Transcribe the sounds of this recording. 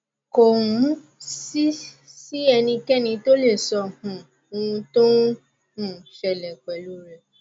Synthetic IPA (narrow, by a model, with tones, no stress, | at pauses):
ko˨wũ˨˦ | si˦ | si˦ɛ˧nĩ˧kɛ˦nĩ˧to˦le˦˨sɔ˧hũ˨˧ | ũ˧to˦ | hũ˦˨ʃɛ˨lɛ˨k͡pɛ˨lu˨˦ɾɛ˧˨